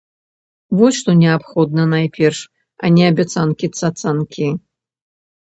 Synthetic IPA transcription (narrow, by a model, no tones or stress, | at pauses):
vɔsʲʂt̪ɔnʲɛapxɔd̪nɐnajpʲɛrʂ | a̰nʲɛɐbʲat̪sankʲit̪sat̪sankʲʰi